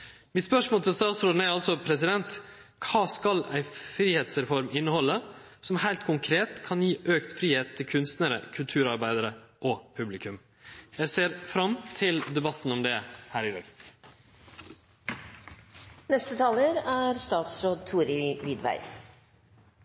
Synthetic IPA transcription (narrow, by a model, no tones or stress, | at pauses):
mɪt̪spœʂmoːlt̪ʰɪlst̪ɑːt̪sɾoːd̪n̩æɾɑlsɔpʰɾɛsɪd̪ɛnt̪ | kʰɑːskɑlæɪfɾiːheːt̪sɾɛfɔɾmɪnːəhɔlːəsɔmhæɪlt̪kʰʊŋkʰɾeːt̪kʰɑnjiːʔøːkt̪fɾiːheːt̪ʰːɪlkʰʉnst̪nəɾə̰kʰʉlt̪ʰʉːɾɑɾbæɪd̪əɾəʔɔpʰʉblɪkʉm | jæɪseːɾfɾɑmt̪ʰɪld̪ɛbɑt̪ːn̩ɔmd̪ɛhæːɾɪd̪ɑ̰ːɡ | nɛst̪ət̪ʰɑːləɾæːɾst̪ɑːt̪sɾoːd̪̚t̪ʰuːɾɪʋɪd̪ʋæ̰ɪ